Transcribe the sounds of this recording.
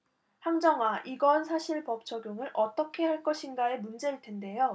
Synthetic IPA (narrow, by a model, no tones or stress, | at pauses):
haŋd͡ʑʌŋwaʔiɡʌnsʰaɕʰiɭpʌp̚t͡ɕʰʌɡjoŋɯɾʔʌt͈ʌkʰe̞haɭk͈ʌɕʰinɡae̞mund͡ʑe̞ɾɯɭtʰende̞jo